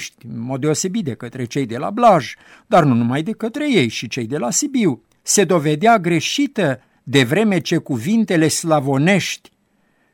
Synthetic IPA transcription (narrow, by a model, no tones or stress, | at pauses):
ʃt̪ʲɨnmo̞t̪̚d̪e̞o̞se̞bit̪̚d̪e̞kət̪ɾe̞t͡ʃe̞jd̪e̞la̰blaʒ | d̪arnunumajd̪e̞kət̪ɾe̞je̞jʃit͡ʃe̞jd̪e̞lasibiw | se̞d̪o̞ve̞d̪eaɡɾe̞ʃit̪ə | d̪e̞vɾe̞me̞t͡ʃe̞kuvint̪e̞le̞slavo̞ne̞ʃt̪ʲ